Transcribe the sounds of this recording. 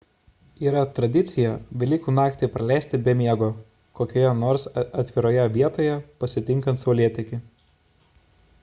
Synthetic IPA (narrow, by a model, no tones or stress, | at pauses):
iːɾɐt̪ɾɐd̪ʲɪt̪sʲɪjɛʋʲɪlʲɪkuːnɑːkt̪ʲɛpɾɐlʲæˑɪsʲt̪ʲɪbʲɛmʲiɛɡoː | koːkʲoːjɛnoːɾsɐt̪ʲʋʲɪɾoːjɛʋʲiɛt̪oːjɛpɐsʲɪt̪ʲɪŋˑkɐnt̪sɐʊlʲiɛt̪ʲɪkʲɪ